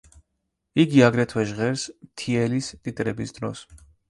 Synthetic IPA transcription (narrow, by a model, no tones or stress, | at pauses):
iɡiaɡɾɛt̪ʰwɛʒʁɛɾsmt̪ʰiɛlist̪ʼit̪ʼɾɛbisd̪ɾɔ̰s